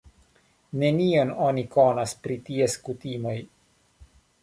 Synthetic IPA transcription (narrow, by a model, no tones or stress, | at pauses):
ne̞niono̞niko̞naspɾitie̞skutimo̞j